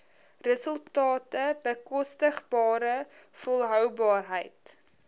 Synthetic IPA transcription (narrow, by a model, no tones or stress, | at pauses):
rəsəlˠtɑːtəbəkɔstəχbɑːɾəfɔlˠɦœwbɑːrɦəjt